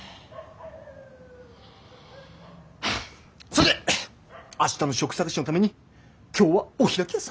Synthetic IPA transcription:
soɕt̪e | aɕi̥t̪ano̞ɕo̞kɯ̥sakɯɕinot̪ame̞ɲ̟i | kʲo̞ːβaoçiɾakʲias

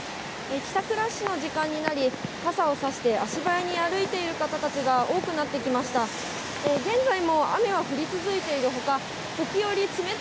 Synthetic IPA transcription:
ekʲi̥t̪akɯ̟ɾaɕːino̞ʑikãɲ̟ːinaɾʲikasao̞saɕi̥t̪e̞ʔaɕibaeɲ̟iaɾɯ̟it̪e̞iɾɯ̟kat̪at̪at͡ɕiɡao̞ːkɯ̟nat̪ːe̞kʲimaɕi̥t̪a | eɡẽ̞nd͡zaimo̞a̰me̞βaɸɯ̟ɾʲit͡sɨzɨit̪e̞iɾɯ̟ɦo̞ka | t̪o̞kʲijo̞ɾʲit͡sɨme̞

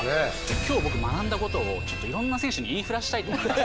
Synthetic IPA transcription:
et͡ɕot̪ːokʲoːbo̞kɯmanãnd̪ako̞t̪o̞ːt͡ɕo̞t̪ːoiɾõ̞nːasẽɕɯɲ̟iiːɸɯ̟ɾaɕi̥t̪ait̪o

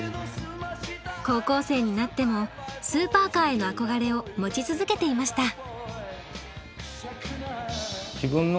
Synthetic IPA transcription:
ko̞ːko̞ːse̞ːɲ̟inat̪ːe̞mo̞sɨːpaːkaːe̞no̞ako̞ɡaɾe̞o̞mo̞t͡ɕit͡sɨzɨke̞t̪e̞imaɕi̥t̪a | ɡʲibɯ̟̃nː

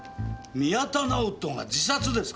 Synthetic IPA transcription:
mʲiat̪anaot̪ːõŋ̃ɡa̰d͡ʑisat͡sɨd̪e̞sɨ̥

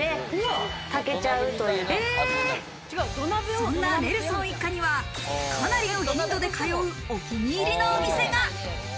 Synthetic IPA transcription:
e | t̪ake̞t͡ɕaɯ̟t̪o̞jɯ | t͡ɕɡad̪onːasõnːane̞ɾɯ̟sɨnoikːaɲ̟iβa | kʰanaɾʲid̪ond̪o̞d̪ekʰajo̞ɯ̟ | okʲiɲʲiːɾʲinoːmʲise̞ɡa

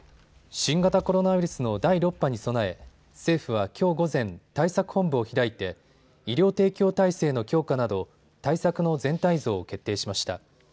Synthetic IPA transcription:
ɕĩŋɡat̪ako̞ɾo̞naiɾɯ̟sɨno̞d̪aiɾo̞pːaɲ̟iso̞nae̞ | se̞ːɸɯ̟β̞akʲʰo̞ːɡo̞zẽ̞nt̪aisakɯ̟̥hõ̞mbɯ̟oçiɾait̪e̞ | iɾʲo̞ːt̪e̞ːkʲo̞ːt̪aise̞ːno̞kʲo̞ːkanad̪o̞ | t̪aisakɯ̟no̞zẽ̞nt̪aizo̞ːke̞t̪ːe̞ːɕimaɕi̥t̪a̰

